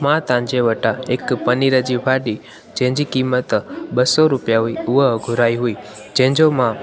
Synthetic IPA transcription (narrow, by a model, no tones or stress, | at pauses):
mãt̪ãɲd͡ʒeʋəʈaekpəniɾad͡ʒibʱaɖi | d͡ʒɛ̃ɲd͡ʒikimət̪bəsoɾupjaʋiuʋəɦɡʱuɾaiɦuid͡ʒɛ̃ɲd͡ʒomã